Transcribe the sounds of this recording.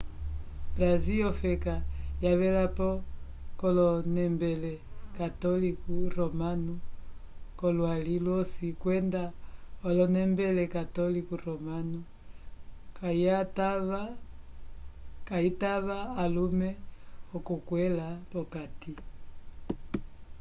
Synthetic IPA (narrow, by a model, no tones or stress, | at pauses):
bɾaziɔfɛkajaβɛlapɔ | kɔlɔnɛmbɛlɛkatɔlikuɾɔmanu | kɔlwalilwɔsikwɛndaɔlɔnɛmbɛlɛkatɔlikuɾɔmanu | kat | kaitaβaːlumɛɔkukwɛlapɔkati